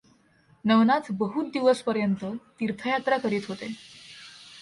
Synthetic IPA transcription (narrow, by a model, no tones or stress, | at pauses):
nəʋnat͡sbəɦut̪̚d̪iʋəspəɾjənt̪ət̪iɾt̪ʰəjat̪ɾakəɾiːt̪ɦot̪e